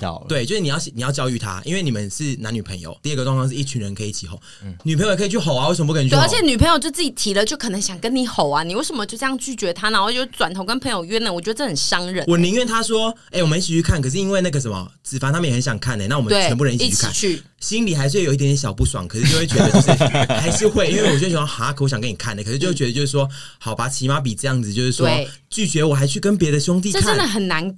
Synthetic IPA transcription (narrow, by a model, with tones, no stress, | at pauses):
we˥˩ɪt͡ɕjo˥˧ʂɻ̩˥˩ni˨jɑ˥˩ʊɕni˨jʊt͡ɕjɑ˥ʊy˧˩t̪ʰa̰˦ʔḭ˥nwe˥ɪni˨˩ə˦nʂɻ̩˥˩na˧˥ny˨˩pʰə̰˧˦ŋjo̰˨ʊt̪i˥˧ə˥˩ɡə˩ʈ͡ʂwɑ˥˧ŋfʰɑ˥ŋʂɻ̩˥˧i˥˩t͡ɕʰy˧˥nɻə˧˦nkʰə˧˥˨i˥t͡ɕʰi˨˩xo˨˩˦ | ny˨˩pʰŋjo˨˩kʰə˥i˨˩t͡ɕʰy˥˩ɦo˨˩ʊa˦we˥˩ə˨˩mə˧pu˥kʰə˩˧˨ə˧˥t͡ɕʰjɛ˨˩˦ny˨˩pʰə˧˥ŋjo˨ʊt͡ɕjo˥˧ʊt͡sɹ̩˥˩t͡ɕi˨˩t̪ʰi˧˥lə˧t͡ɕjo˥˩ʊkʰɤ˨˩nə˧˦ŋɕjɑ˨˩ŋkə˥ni˧˥xo˨˩˦ʊa˦ni˨˩we˥ɪʂə˨˩mə˧˦t͡ɕo˥˧ʊt͡sə˥˧jɑ˥˧ŋt͡ɕʰy˥˩t͡ɕɥɛ˧˥t̪ʰa˥na˨wɔ˨˩t͡ɕo˥˩˥t͡swa˨˩nt̪ʰo˧˥ʊkə˦˥npʰə˧˥ŋjo˨˩ʊɥɛ˥nə˨wɔ˨˩t͡ɕjo˧˥˩ə˨˩nʂɑ˥ŋɻə˨˩˦wɔ˨˩ni˧˥nɥɛ˥˧nt̪ʰa˥swɔ˦e˥˩ɪwɔ˨mə˧˦˧i˥˩i˨˩y˥kʰa˥˩nkʰɤ˨˩ʂ̬̩˥˧i˥nwe˧ɪna˥˩ɡə˩ʂ̬ə˧˦nmə̰˨˩t͡sɹ̩˨˩fa˨˥t̪ʰa˥mə˨jhə˧˦nɕjɑ˨˩ŋkʰa˥˩nə̰˨˦na˥˩wɔ˨˩ə˦˥˧ɛ˧˥mpu˥˩ə˧ni˥t͡ɕi˨˥˩y˥˧a˥˨nʰy˥˩ | ɕi˦˥nli˨˩a˧ɪʂ̬̩˥˩we˥˩jo˨˩˨i˥t̪̬jnjɕɑ˨˩ʊpu˥˩swɑ̰˨˩˦ŋkʰə˨˩ʂɻ̩˥˩˧t͡ɕo˥˧we˥˩t͡ɕɛ˧˥də˧˥˧ʂha˧ɪʂɻ̩˥˧xwe˥˧ɪi˥nwe˥˩ɪwɔ˨˩˧ɕwa˥nxa˧˥kʰə˨wɕjŋkə˦ni˨˩kʰa˥˩nə˩kʰə˨˩ʂɻ̩˥t͡ɕo˥˧we˥˩ɥɛ˧ə˧jo˥˧ʊʂ̬ɻ̩˥˩wɔ˥ | ha˨˩ʊpa˧˥t͡ɕʰi˧˥ma˦˥p̬i˨˩ʈ͡ʂɤ˥˧jɑ˥˩ŋd͡zɹ̩˨˩t͡ɕjo˥˧ʊʂɻ̩˥˩swɔ˦˩ | t͡ɕy˥˩t͡ɕɥɛ˧˥wɔ˨˩xa˧˥ɪt͡ɕʰy˥˩kə˦npjɛ˧˥d̪ə˨˧ɕjʊ˥ŋt̪i˥˧ə˥˧˥ə˥nd̪ə˨˩xə˨˩nna˧˦n